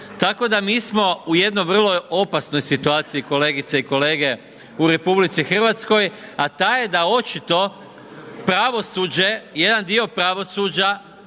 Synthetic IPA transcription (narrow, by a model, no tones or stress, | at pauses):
t̪ako̞d̪amiːsmo̞uje̞d̪nojʋr̩lo̞jo̞pasno̞jsit̪uaːt̪siiko̞le̞ːɡit̪seiko̞leːɡe | uɾe̞publit̪sixr̩ʋat̪sko̞jat̪aːjed̪ao̞t͡ʃit̪o̞ | pɾaʋo̞suːd͡ʑe̞je̞d̪and̪io̞pɾaʋo̞suːd͡ʑa